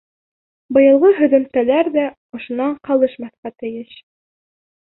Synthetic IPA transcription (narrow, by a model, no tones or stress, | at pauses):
bɤ̆jɤ̆lˠʁɤɦɵ̆ðɵ̆mt̪ælæɾðæ | ŏʃŏnɑɴqɑlˠɤʃmɑθqɑt̪ɘ̆jɘʃ